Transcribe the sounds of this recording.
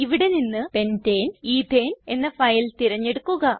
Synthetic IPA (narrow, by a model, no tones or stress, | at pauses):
iʋiɽe̞ninːɨpe̞nteːniːd̪ʱeːne̞nːɐfɐjlt̪iɾɐɲːe̞ɽukːuɣɐ